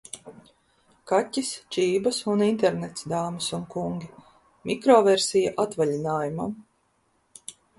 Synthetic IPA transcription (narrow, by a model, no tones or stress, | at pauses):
katʲːist͡ʃiːbɐsunint̪ɛɾnɛt̪sd̪aːmɨsunkuŋɡʲi | mʲikɾɔːvɛɾsijaʔat̪valʲinaːjuma̰m